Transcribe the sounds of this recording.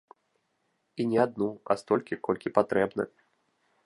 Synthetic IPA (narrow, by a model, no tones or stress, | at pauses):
inʲɛad̪̚nua̰st̪ɔlʲkʲikɔlʲkʲipat̪ɾɛbnɐ̰